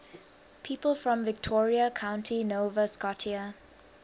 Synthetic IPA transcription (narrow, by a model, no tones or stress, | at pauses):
pʰiːpəlˠfɹɔ̃mvɪk̚tʰɔːɹiəkʰãʊ̃ntʰinoːvəskɔtʰiə